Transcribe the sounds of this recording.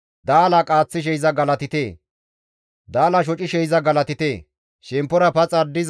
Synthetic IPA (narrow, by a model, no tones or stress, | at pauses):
d̪aːlɐkʼaːt͡sːɪʃ̬ɛjɪzɐɡɐlɐt̪ɪt̪eː | d̪aːlɐʃ̬ɔt͡ʃʼɪʃɛjɪzɐɡɐlɐt̪ɪt̪eː | ʃɛmpːɔɾɐpɐt͡sʼɐd̪ɪz